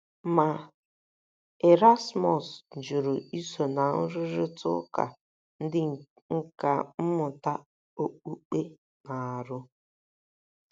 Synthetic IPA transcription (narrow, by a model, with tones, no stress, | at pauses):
ma˨ | e˨ɾa˦smɔ˨sd͡ʒu˨ɾʊ˨i˦so˨na˨n̩˦ɾʊ˦ɾʊ˦tʊ̰˦ka̰˨ | n̩˦dɪ˦˨ | ŋ̩˦ka˨m̩˦mʊ˨ta˦ | o˦k͡pu˦k͡pe˦ | na˨a˨ɾʊ˦